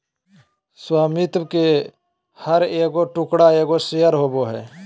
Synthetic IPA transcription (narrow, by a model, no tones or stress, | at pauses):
swaːmit̪bke | həɾeːɡoːʈʊkɽaːeːɡoːsɪjəɾɦoːboːɦɛ̰ː